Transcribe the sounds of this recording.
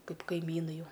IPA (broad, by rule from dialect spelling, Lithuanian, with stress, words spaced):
ˈkɐɪp kɐɪˈmʲiːnɐɪ ˈjɛʊ